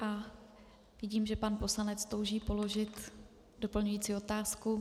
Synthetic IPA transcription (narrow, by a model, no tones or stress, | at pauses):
ʔa | vɪɟiːmʒɛpanpo̞slanɛt͡st̪o̞wʒiːpo̞lo̞ʒɪt̪ | do̞pl̩ɲujiːt͡siːo̞t̪aːsku